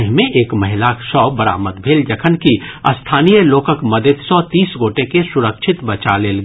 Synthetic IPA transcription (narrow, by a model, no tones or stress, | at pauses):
ɦmẽʔeːkmɐɦɪlakʃɔːbəɾa̰ːməd̪bʱeːld͡ʒəkʰənkiə̰st̪ʰaːnijəloːkəkməd̪ʱəd̪sɔt̪iːsɡoːʈekesʊɾəkʃʰɪt̪bət͡ʃaleːlɡ